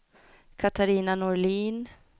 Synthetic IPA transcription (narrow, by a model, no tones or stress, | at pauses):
kʰat̪ʰaɾiːnanɔliːn